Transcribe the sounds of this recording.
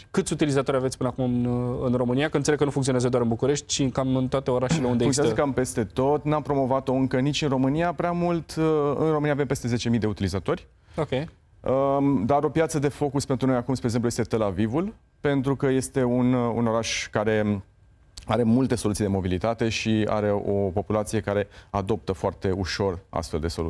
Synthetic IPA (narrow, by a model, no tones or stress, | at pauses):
kɨt̪sʲut̪ilizat̪oɾʲavet̪spɨnəakumɨnɨnro̞mɨnijakənt̪selekənufuŋk̪ioazəd̪oaɾɨnbukuɾe̞ʃt̪̚ʲt͡ʃikamɨnt̪oat̪eoɾaʃeleund̪euŋk̪jonzəkampe̞st̪e̞t̪o̞t̪nampɾo̞mo̞vat̪o̞ɨŋkənit͡ʃʲɨnro̞mɨnijapɾeamult̪ɨ̰nromɨniavempe̞st̪e̞ze̞t͡ʃe̞mijd̪e̞ut̪ilizat̪o̞rʲ | okʲej | əd̪aɾo̞pjat̪səd̪e̞fo̞kuspe̞nt̪ɾuno̞jakumspɾeɡzemplujest̪et̪e̞lavivul | pe̞nt̪ɾukəje̞st̪e̞unṵno̞ɾaʃkaɾe̞ | aɾe̞mult̪e̞solusijd̪emo̞bilit̪at̪e̞ʃia̰ɾe̞o̞po̞pulat̪sije̞kaɾe̞ad̪o̞p̚t̪əfoart̪e̞uʃo̞ra̰st̪fe̞ld̪e̞so̞lṵ